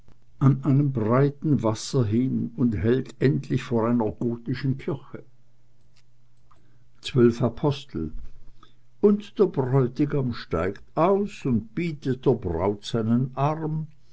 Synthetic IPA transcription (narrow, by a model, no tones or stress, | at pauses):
ʔanʔaɪnəmbʁaɪtn̩vasɐɦɪnʊnthɛltʔɛntʰlɪçfoːɐaɪnɐɡoːtɪʃn̩kʰɪçə | t͡sv̥œlfapʰɔstʰl̩ | ʊntd̥eːɐbʁɔʏtɪɡamʃta̰ɪktʔaʊsʊnt̚b̥iːtət̚d̥eːɐbʁa̰ʊtz̥aɪnənʔaʁm